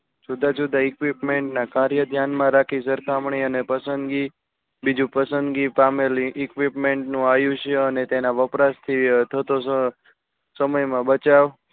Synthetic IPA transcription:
d͡ʒud̪ʱad͡ʒud̪ʱaɪkʋipmeɳʈnakaɾjəd̪ʱjanmãɾakʰisəɾt̪amɳiənepəsənd̪ɡi | bid͡ʒũpəsənd̪ɡipamelĩʔɪkʋipmeɳʈnũajũʃʰeənet̪enaʋəpɾast̪ʰit̪ʰət̪o | səməjmãbət͡ʃaʋ

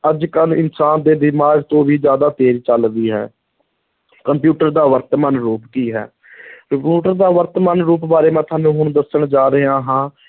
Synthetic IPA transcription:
əd͡ʒkəlɪ̰nsaːnd̪eːd̪ɪmaːɡt̪õːʋiːd͡ʒjaːd̪aːt̪eːɾiːt͡ʃəld̪iːɦɛ̰ː | kəmpjuːʈəɾd̪aːʋəɾt̪maːnɾuːpkiːɦɛ̰ː | juːʈəɾd̪aːʋəɾt̪maːnɾuːpbaːɾeːmãːt̪ʰaːnũːɦʊñd̪əsəɳd͡ʒaːɾəaːɦãː

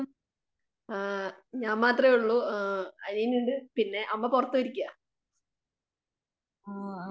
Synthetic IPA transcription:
ɲaːmmaːt̪rɐuɭːuɐnijnuɳɖɨpinːe̞ʔɐmːɐpurɐt̪ːuɐɾikʲːuɐ

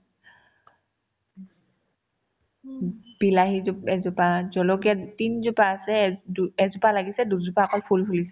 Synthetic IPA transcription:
b̥ilaɦizupɛzupazɔlɔɡiatinzupaːsɛduɛzʊpalaɡisɛduzupakɔlpʰulpʰulisɛ

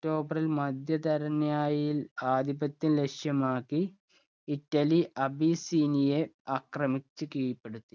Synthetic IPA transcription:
kʈo̞ːbɐrilmɐd̪ʱjɐd̪ɐɾɐnjaːjilaːd̪ibɐt̪ːinlekʂjɐmaːkːiː | tːɐliʔɐbisiːnije̞ɐkrɐmit͡ɕːɨkiːjɐpːe̞ɽut̪ːi

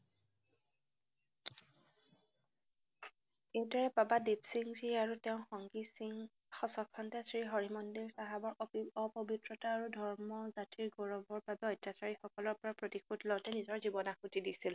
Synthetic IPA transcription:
itɔɹɛpabadipsiŋziaɹuteʊ̃xɔŋɡisŋ | xɔsɔkʰːɔntɛsɹiɦoɹimɔndiɹsaɦabɔɹʔɔpɔbitɹɔtaːɹudʱɔɹmɔzatiɹɡɔɹɔbɔɹbabɛɔjtjasaɹixɔkɔlɔɹpɔɹapɹotixudlɔwtɛnizɔɹzibɔnaxutidisil

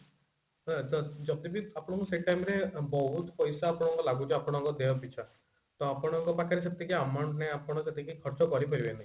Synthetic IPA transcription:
t̪ɔd͡ʒɔd̪ibiapɔɽ̃ɔ̃ŋkuseʈajmɾebɔɦut̪pɔjsaːpɔɽ̃ɔŋkɔlaɡut͡ʃʰeapɔɽ̃ɔŋkɔd̪eɔpit͡ʃʰa | t̪ɔapɔɽ̃ɔŋkɔpakʰaɾeset̪ikiamɔɳʈneapɔɽ̃ɔset̪ikikʰɔɾt͡ʃɔkɔɾipɔɾibenaɦi

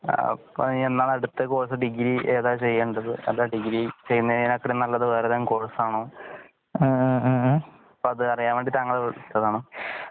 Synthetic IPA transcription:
pːo̰enːaːɭeɽut̪ːɐkoːɻɐs̬ɨɖiɡiɾiʔeːðaːt͡ɕe̞jːeːɳɖɐðɨ̰ḛðaːɖiɡɾit͡ɕejːunːɐnɐkːɐɽenɐlːɐðɨʋeːɾɐðankoːɻɐsaːɳoː | ɐpːoːɐðɨɐrijaːmʋeɳɖit̪aŋːɐɭeʋt̪ːɐðaːɳo

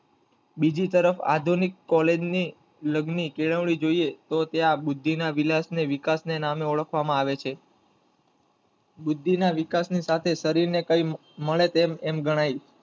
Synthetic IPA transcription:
bid͡ʒit̪əɾəfa̰d̪ʱunikːɔled͡ʒni | ləɡnikeɭəʋɭid͡ʒoiet̪ot̪eabʊd̪ʱːinaʋilasneʋikasnenameoɭəkʰʋamãaʋet͡ʃʰe | bud̪ʱːinaʋikasnisat̪ʰesəɾiɾnekəj | məɭet̪emɛmɡəɽ̃ai

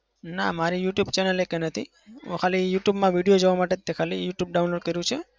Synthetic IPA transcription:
na̰maɾijuʈjubt͡ʃɛnəlekenət̪ʰi | ṵ̃kʰalijuʈjubmãʋiɽijod͡ʒəʋamaʈet̪ekʰalijuʈjub̚ɖaũnloɖ̚kəɾjũt͡ʃʰe

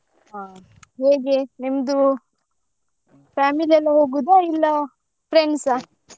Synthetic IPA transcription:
aː | ɦeːɡenimɐd̪u | pʰaːmiliɐlːɐɦoːɡud̪ailːɐ | pɾeɳɖsa

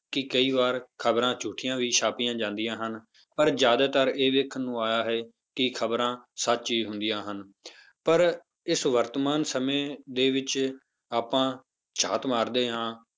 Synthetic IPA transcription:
kɪkəiːʋaːɾkʰəbɾãːt͡ʃuːʈʰijãːʋiːʃaːpijãːd͡ʒãːnd̪ijãːɦən | pəɾd͡ʒjaːd̪aːt̪əɾeːʋeːkʰnũːaːjaːɦɛː | kɪkʰəbɾãːsət̪t͡ʃiːɦʊ̃nd̪ijãːɦən | pəɾ | ɪsʋəɾt̪əmaːnsəmẽːd̪eːʋɪt͡ʃ | aːpãː | t͡ʃʰaːt̪maːɾd̪eːɦãː

